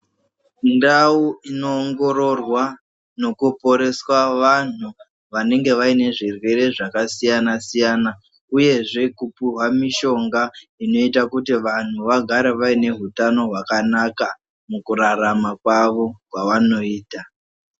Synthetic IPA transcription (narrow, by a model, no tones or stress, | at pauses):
ndauino̞ːŋɡo̞ɾo̞rwa | no̞kupo̞ɾe̞swaʋan̤u | ʋane̞ŋɡe̞ʋaine̞ʐirwe̞ɾe̞ʐakasijanasijana | uje̞ʐe̞kupuɦwamiʃo̞ŋɡaino̞itakutiʋan̤uʋaɡʱaɾeʋaine̞ɦutano̞ɦwakanaka | mukuɾaɾamakwaʋokwaʋano̞iːta